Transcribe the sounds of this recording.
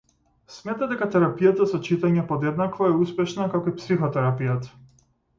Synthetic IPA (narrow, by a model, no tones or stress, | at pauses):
smɛt̪ad̪ɛkat̪ɛɾapijat̪asɔt͡ʃit̪aɲɛpɔd̪ɛd̪nakvɔɛuspɛʃnakakoipsixɔt̪ɛɾapijat̪